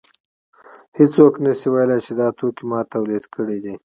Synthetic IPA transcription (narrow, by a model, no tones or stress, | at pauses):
het͡soknəsiwajlajt͡ʃed̪ɑt̪okimɑt̪awlid̪kʰəɽid̪i